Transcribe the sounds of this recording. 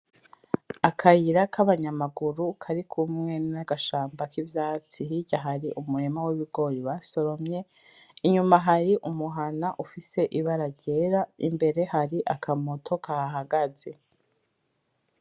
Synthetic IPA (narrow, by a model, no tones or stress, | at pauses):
akʰajiɾakʰaβaɲamaɡuɾukʰaɾikʰumŋe̞nnaɡaʃaːmbakivjaːt͡siɦiɟaɦaɾiʔumuɾemawiβiɡo̞ːjiβaso̞ɾo̞mɲe̞ | iɲumaɦaɾiʔumuɦanaʔufise̞ʔiβaɾaɟe̞ɾaimbe̞ɾe̞haɾiʔakʰamo̞tʰo̞kahaɦaɡaze̞